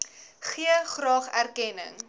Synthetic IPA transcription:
χiəχrɑːχærkɛnə̰ŋ

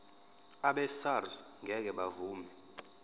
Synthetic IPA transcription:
aɓɛsarzŋʱɛk̬ɛɓavuːmɛ

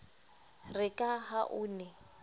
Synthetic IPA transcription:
rɪkʼaɦaʔʊːnɛ

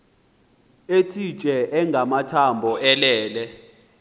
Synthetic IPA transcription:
etʰit͡ʃʼɛʔɛŋʱamatʰambʱɔʔɛlɛːlɛ

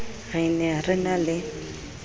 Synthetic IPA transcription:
ɣɪnɛrɪnalɪ

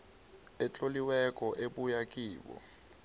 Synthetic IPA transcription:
ɛt͡ɬʼoliwɛkʼɔʔeɓujakʼiːɓɔ̰

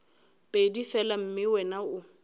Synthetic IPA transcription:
pʼedifɛlam̩mɪwɛnaʊ

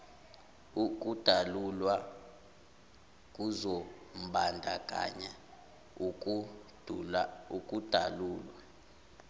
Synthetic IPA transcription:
uk̬ʼud̥ʱalulwa | k̬ʼuzom̩ɓʱandʱa̰kʼa̰ɲɛ | u̥ | ukʼud̥ʱa̰luːlwa

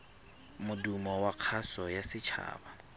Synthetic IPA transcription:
mʊdumɔwaq͡χʰasɔjasɪt͡ʃʰa̰ːba

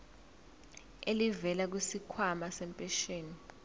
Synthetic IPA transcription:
elivɛlak̬wisikʰwamasɛmpʼeʃeːni

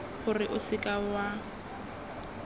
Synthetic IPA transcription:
χʊrɪʔʊsɪkʼawa

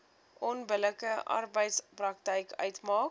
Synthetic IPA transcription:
ʔɔnbələkəʔɑ̰rbəjtsprɐk̚tɛjkœ̰ɥtmɑːk

